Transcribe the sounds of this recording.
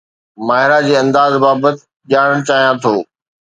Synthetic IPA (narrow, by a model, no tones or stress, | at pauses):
maːɦɪɾad͡ʑeːɐ̃nd̪aːzbaːbət̪ɪ | ʄaːɽ̃əɽ̃t͡ɕaːɦijãt̪ʰoː